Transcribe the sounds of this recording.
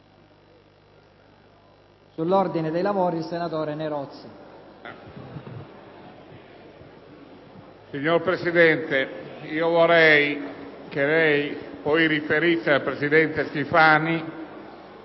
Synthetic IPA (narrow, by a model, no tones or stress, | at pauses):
sulːɔrd̪ined̪ejlavoːɾilsenat̪ɔːɾeneɾɔt̪sːi | siɲːoɾpɾesid̪ɛnt̪eiːovoɾɛjkelɛjpɔjrifeɾisealpɾesid̪ɛnt̪est̪ifaːni